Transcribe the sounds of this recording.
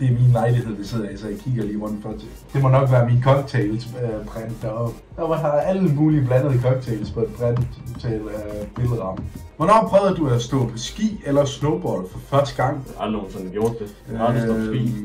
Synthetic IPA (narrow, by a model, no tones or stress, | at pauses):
d̥e̝æɐminlɑ̈ɪlihe̝ð̞̰ˠd̥ɑse̝ð̰ˠɐæsɒjakʰiɡ̥ɐliːʁɔ̽n̰fɒt͡sʰe | d̥e̝mɒ̽nɒ̽ɡ̥ʋæːɐminkʰɒ̽ɡ̥t͡sʰeːlsb̥ʁɛnd̥æɒ̥ | æʋɑhɑ̈d̥ɑ̈æləmuːlib̥lænəðˠkʰɒɡ̥̚t͡sʰeːlspʰɒb̥ʁænt͡sʰɛːlæb̥e̝lð̩ˠʁɑ̈mn̩ʋɒnɒ̰ːpʰʁœːʊðˠɐd̥uæsd̥ɔ̰ːpʰɒ̽sɡ̥ḭːelɐsnoʊb̥ɒːdˠfɒ̽fɶɐsd̥əɡ̥ɑ̈ŋ̰ɑlinonsɔnɡ̥jo̝ɐd̥ːe | bḭː